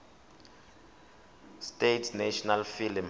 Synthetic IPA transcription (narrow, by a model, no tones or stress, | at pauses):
stetʰnɛʃɔnalfilm